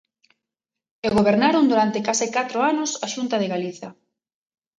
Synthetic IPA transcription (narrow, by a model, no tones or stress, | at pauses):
eɣoβeɾnaɾond̪uɾant̪ɪkasɪkat̪ɾoanʊsaʃunt̪ɐð̞eɣaliθɐ